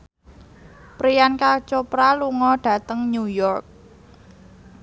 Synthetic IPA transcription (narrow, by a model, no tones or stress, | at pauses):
pɾijankat͡ʃopɾaluŋɔɖ̥ä̤t̪əŋnujɔrk̚